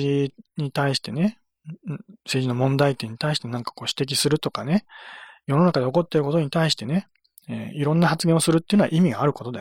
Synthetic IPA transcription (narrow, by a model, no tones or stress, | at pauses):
iɲ̟it̪aiɕi̥t̪e̞ne̞ | se̞ːʑino̞mõ̞nd̪ait̪ːẽ̞ɲ̟it̪aiɕi̥t̪e̞nãŋkḁko̞ːɕi̥t̪e̞k̬ʲisɨɾɯ̟t̪o̞kane̞jo̞no̞nakad̪e̞o̞ko̞t̪ːeɾɯ̟ko̞t̪̬o̞ɲ̟it̪aiɕi̥t̪e̞ne̞ | ḛiɾõ̞nːahat͡sɨɡẽosɨɾɯ̟t̪ːeiɯnoa̰ʔimʲiɡaaɾɯ̟ko̞t̪o̞d̪aj